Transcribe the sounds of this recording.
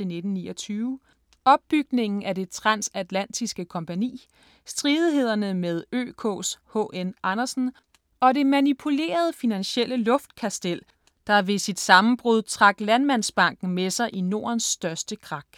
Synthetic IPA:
ene̝d̥n̩nḭːɒt͡sʰyːʊ | ɒ̽b̥̚ːyɡ̥ne̝ŋ̰n̩ʔæd̥e̝t͡sʰʁɑ̈nsæd̥læn̰d̥ʰisɡ̥əkʰɒ̽mpʰænḭː | sd̥ʁiðˠiɦe̝ð̞̰ˠɐnəmeð̞ˠø̰ːkʰɔ̰shɔ̰ːʔenʔɑnɐsn̩ | ɒ̽de̝mænipʰule̝̰ːɐð̞ˠfinænɕel̰əlɔ̽fd̥kʰæsd̥el̰ | d̥ɑ̈ʋe̝sid̥sɑ̈mm̩b̥ʁuð̞ˠt͡sʰʁɑ̈ɡ̥lænmæn̰sb̥ɑ̈ŋ̰ɡ̥n̩mesɑ̈ɪʔino̝ːɐnsd̥ɶɐsd̥əkʰʁɑ̈ɡ̥

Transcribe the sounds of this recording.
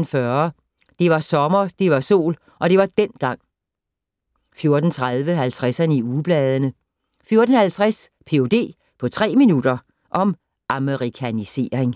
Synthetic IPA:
nfɶɐ | d̥e̝ʋɑ̈sɒ̽mɐd̥e̝ʋɑ̈so̝̰ːl | ʔɒ̽d̥e̝ʋɑ̈d̥en̰ɡ̥ɑ̈ŋ̰ | fjo̝ɐd̥n̩t͡sʰʁaðˠʋəɦælt͡sʰʁæsænəiub̥lɛːð̞ˠənə | fjo̝ɐd̥n̩hælt͡sʰʁaspʰe̝o̝d̥e̝̰ː | pʰɒ̽t͡sʰʁɛ̰ːminud̥ɐ | ʔɒ̽m | ʔɑməʁikʰænise̝̰ːɐeŋ

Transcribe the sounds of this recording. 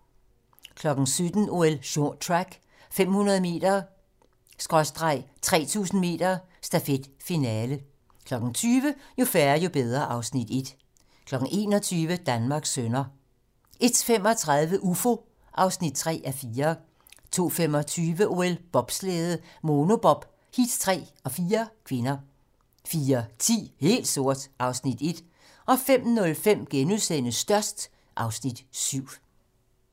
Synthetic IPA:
kʰlɒ̽ɡ̥n̩sød̥n̩o̝elɕot͡sʰʁaɡ̥ | fem̰hunɐðˠəme̝̰ːd̥ɐ | sɡ̥ʁɒsd̥ʁɑ̈ɪ̰t͡sʰʁɛ̰ːt͡sʰṵːsn̩me̝̰ːd̥ɐ | sd̥æfed̥finɛːlə | kʰlɒ̽ɡ̥n̩t͡sʰyːʋəjo̝fæɐɐjo̝b̥eð̞ˠʁɐʔɑ̈ʊsnid̥e̝d̥ | kʰlɒ̽ɡ̥n̩e̝ːnɒ̽t͡sʰyːʋəd̥ænmɑ̈ːɡ̥sønɐ | e̝d̥femɒ̽t͡sʰʁað̞ˠʋəʔufo̝ | ʔɑ̈ʊsnid̥̚t͡sʰʁɛ̰ːʔæfiːɐ | t͡sʰo̝̰ːfem̰ɒ̽t͡sʰyːʋəʔo̝elb̥ɒ̽b̥sleːð̞̩ˠmo̝no̝b̥ɒ̽b̥ | hid̥t͡sʰʁɛ̰ːɒ̽fiːɐkʰʋe̝nɐ | fiːɐt͡sʰḭːhe̝̰ːld̥so̝ɐ̰d̥ʔɑ̈ʊsnid̥e̝d̥ | ʔɒ̽fem̰nɔ̽lfem̰ɡ̥enusen̰əsd̥ɶɐsd̥ | ʔɑ̈ʊsnid̥syʊ̰

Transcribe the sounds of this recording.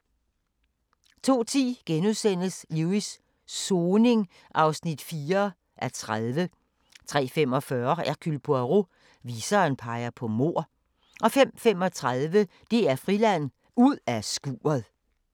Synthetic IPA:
t͡sʰo̝̰ːt͡sʰḭːɡ̥enuðˠsen̰əsluisː | oːne̝ŋ | ʔɑ̈ʊsnid̥fiːɐ | ʔæt͡sʰʁaðˠʋə | t͡sʰʁɛ̰ːfem̰ɒ̽fɶɐæɐkʰylpʰoæʁo | ʋiːsɐːnpʰɑ̈ɪɐpʰɒ̽mo̝ɐ̰ | ʔɒ̽fem̰fem̰ɒ̽t͡sʰʁaðˠʋə | d̥e̝æɐfʁilæn̰ | uð̰ˠæsɡ̥ṵːɐð̩ˠ

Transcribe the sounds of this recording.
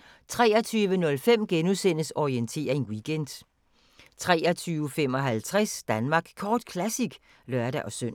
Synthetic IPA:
t͡sʰʁɛ̰ːɐt͡sʰyːʋənɔ̽lfem̰ɡ̥enusen̰əsɒient͡sʰe̝̰ːɐe̝ŋwiɡ̥end̥ | t͡sʰʁɛ̰ːɐt͡sʰyːʊəfem̰ɒ̽ɦælt͡sʰʁɛsd̥ænmɑ̈ːɡ̥kʰɒːd̥kʰlæsiɡ̥ | lœɐd̥æʔɒ̽søn̰

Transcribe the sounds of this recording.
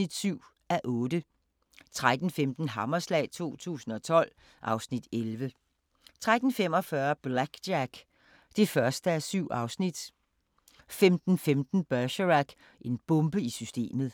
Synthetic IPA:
id̥syʊ̰ | æʔɔ̽ːdə | t͡sʰʁad̥n̩femd̥n̩ɦɑ̈mɐslɛ̰ːɪt͡sʰo̝̰ːt͡sʰṵːsn̩ɒ̽t͡sʰɒ̽l̰ | ʔɑ̈ʊsnid̥elʋə | t͡sʰʁad̥n̩fem̰ɒ̽fɶɐb̥læɡ̥æɡ̥ | d̥e̝fɶɐsd̥əæsyʊ̰ɑ̈ʊsnid̥ | femd̥n̩femd̥n̩b̥ɶɕʁæɡ̥ | ʔe̝nb̥ɔ̽mb̥əisysd̥e̝̰ːmð̩ˠ

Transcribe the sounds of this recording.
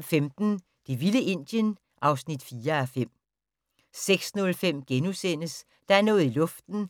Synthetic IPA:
femd̥n̩ | d̥iʋiləʔe̝n̰d̥jən | ʔɑ̈ʊsnid̥fiːɐæfem̰ | seɡ̥snɔ̽lfem̰ɡ̥enusen̰əs | d̥ɑ̈æɐnɔ̽ːð̩ˠilɔ̽fd̥n̩

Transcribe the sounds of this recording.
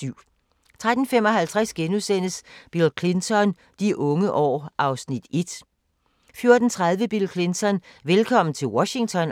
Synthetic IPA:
yʊ̰ | t͡sʰʁad̥n̩femɒ̽ɦælt͡sʰʁasɡ̥enuðˠsen̰əsb̥ilkʰlent͡sʰɒ̽n | d̥iʔɔ̽ŋəʔɒ̰ːʔɑ̈ʊsnid̥e̝d̥ | fjo̝ɐd̥n̩t͡sʰʁað̞ˠʋəb̥ilkʰlent͡sʰɒ̽nʋelkʰɒ̽m̰n̩t͡sʰe̝lwɒɕi̝ŋt͡sʰɒ̽n

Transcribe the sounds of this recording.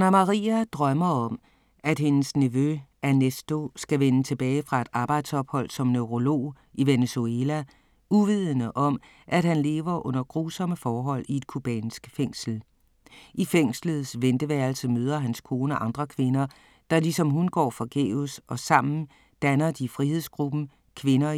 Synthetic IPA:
nɐmɑʁiːæd̥ʁɶmɐɒ̽m | æd̥ɦe̝nəsniʋøænesd̥o̝sɡ̥æʋenət͡sʰe̝b̥ɛːɪfʁɑ̈e̝d̥ɑ̈ːb̥ɑ̈ɪ̰d̥sɒ̽b̥hɒ̽l̰sɒ̽mnøʊʁo̝lo̝̰ː | iʋenesuelæ | uʋið̰ˠənəʔɒ̽m | ʔæd̥hænle̝̰ːʋɐʔɔ̽n̰ɐɡ̥ʁuːsɒ̽məfɒːɦɒ̽l̰ie̝d̥̚kʰub̥ɛ̰ːnsɡ̥feŋ̰sl̩ | ifeŋ̰slð̞̩ˠsʋend̥əʋæɐlsəmøːð̞ˠɐɦænskʰo̝ːnæʔɑ̈nd̥ʁɐkʰʋe̝nɐ | d̥ɑ̈lisɒ̽mɦunɡ̥ɒ̰ːfɒɡ̥ḛːusɒ̽sɑ̈m̰n̩ | d̥ænɐd̥ifʁihe̝ð̞̰ˠsɡ̥ʁub̥n̩ | kʰʋe̝nɐ

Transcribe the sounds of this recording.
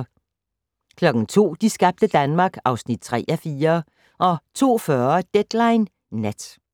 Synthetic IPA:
kʰlɒ̽ɡ̥ŋ̩t͡sʰo̝̰ːd̥isɡ̥ɑ̈b̥̚d̥əd̥ænmɑ̈ːɡ̥ɑ̈ʊsnid̥̚t͡sʰʁɛ̰ːæfiːɐ | ʔɒ̽t͡sʰo̝̰ːfɶɐd̥ed̥lɑ̈ɪnː | æd̥

